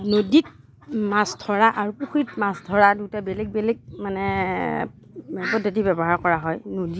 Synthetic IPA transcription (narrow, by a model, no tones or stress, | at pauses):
nodit̚ | masdʰʱɔɹaʔaɹupuxitmasdʱɔɹadutabelɛɡ̚belɛk̚manɛ | ɛkɔdʱatibɛbɔɦaɹkɔɹaɦɔjnodi